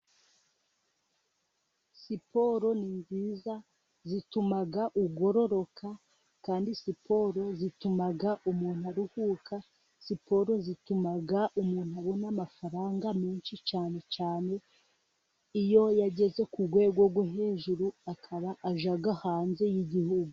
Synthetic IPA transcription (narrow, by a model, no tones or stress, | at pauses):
sipo̞ɾo̞ninziːza | zitumaɡaʔuɡo̞ɾo̞ɾo̞kʰa | kaːndisipʰo̞ɾo̞zitumaɡaʔumuːn̥uaɾuhuːkʰa | sipo̞ɾo̞zitumaɡaʔumuːn̥huaβo̞namafaɾaːŋɡamiːnʃit͡ʃaːne̞t͡ʃaːne̞ | ijo̞jaɟe̞ze̞kuɡwe̞ːɡwoɡwaɦe̞ːʒuɾuakʰaβaʔaʒaɡahaːnze̞jiɟihuɡu